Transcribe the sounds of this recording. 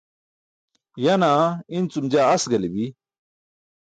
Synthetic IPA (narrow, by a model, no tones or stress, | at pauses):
jɐnaint͡sumd͡ʑaːɐsɡɐlibi